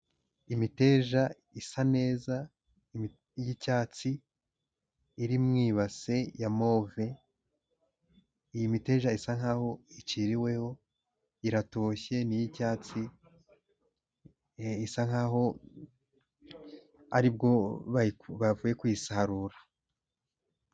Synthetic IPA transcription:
imite̞ːʒa | isane̞ːza | jicaːt͡si | iɾimŋiːβase̞jamo̞ve̞ | ijimite̞ːʒaisaŋhaːho̞iciɾiwe̞ho̞ | iɾatoçe̞nijicaːt͡si | isaŋ̥aːɦo̞ | a̰ɾibɡo̞βaβavuːje̞kwisahaɾuːɾa

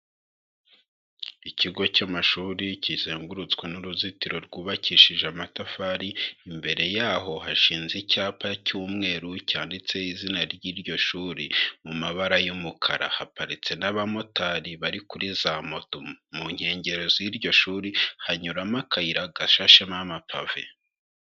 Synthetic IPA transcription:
icʰiɡo̞camaʃuːɾicizeːŋɡuɾut͡skwenuɾuzitiɾo̞ɾɡuːβaciʃiʒeamatafaɾiːmbe̞ɾe̞jaːɦo̞haʃiːnzicaːpʰacuːmŋe̞ːɾucaːndit͡se̞izinaɾɟiːɾɟo̞ʃuːɾimumaβaɾajumukʰaɾa̰hapaɾit͡se̞naβamo̞taɾiβaɾikuɾizamo̞tomuɲ̥he̞ːɲɟe̞ɾezoiɾɟo̞ʃuːɾihaɲuɾamakʰaiɾaɡaʃaʃemamapʰave̞̰

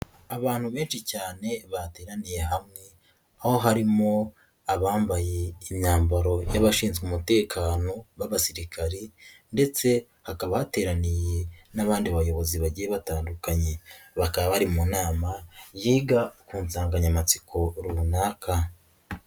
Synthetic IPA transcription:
aβaːn̥huβe̞ːnʃicaːne̞βate̞ːɾanije̞ɦamŋe̞ | aho̞ɦaɾimo̞ | aβaːmbaje̞imɲaːmbaɾo̞jaβaʃiːnzɡumute̞ːkʰaːno̞βaβasiɾikʰaɾende̞t͡se̞ | hakaβahate̞ɾanije̞naβaːndiβajo̞βo̞ziβaɟijeβataːndukaɲe̞βakaβaβaɾimunaːmajiːɡakuːnzaːŋɡaɲamat͡si̥kʰo̞ɾuunaːkʰa

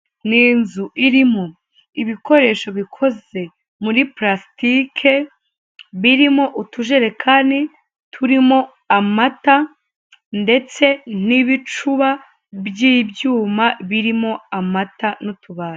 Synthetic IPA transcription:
niːnzuʔiɾimo̞ | iβiko̞ɾe̞ːʃo̞βikʰo̞ze̞ | muɾipɾastikʰe̞ | βiɾimo̞ʔutʰuʒe̞ɾe̞kʰani | tʰuɾimo̞ | amata | nde̞t͡se̞n̥iβit͡ʃuβa | bjiːbjuːmaβiɾimo̞amatanotuβaːɾa

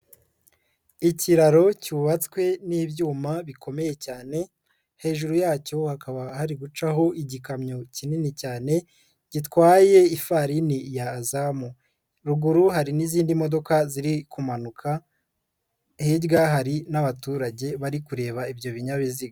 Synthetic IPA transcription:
iciɾaɾo̞cuuβat͡skwe̞niːbjuːmaβikʰo̞me̞je̞caːne̞ | he̞ːʒuɾujaːco̞hakaβahaɾiɡut͡ʃaɦo̞ʔiɟikamɲocininicaːne̞ | ɟ̥itkwaːje̞ifaɾinijaːzamu | ɾuɡuɾuɦaɾiniziːndimo̞do̞kaziɾikumanukʰa | heɾɡaɦaɾinaβatuːɾaɟe̞βaɾikuɾe̞ːβaibjo̞βiɲaβiziɡa

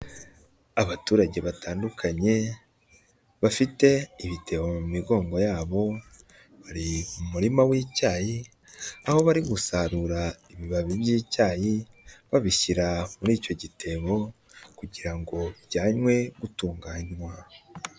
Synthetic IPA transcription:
aβatuːɾaɟe̞βataːndukʰaɲe̞ | βafite̞iβite̞βomumiɡo̞ːŋɡo̞jaːβo̞ | βaɾiumuɾimawiːcaːji | aho̞βaɾiɡusaɾuɾaiβiβaβibjiːcaːji | βaβiʃiɾamuɾiːco̞ɟitʰe̞βo̞kuɟiɾaŋɡo̞βiβɟaːɲwe̞ɡutuːŋɡaːɲwa

